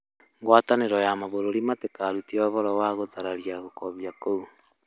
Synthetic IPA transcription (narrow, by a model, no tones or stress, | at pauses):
ŋɡwataneɾɔjamaβoɾoɾimatekaɾutiaβɔɾɔwaɣoðaɾaɾiaɣokɔβjakou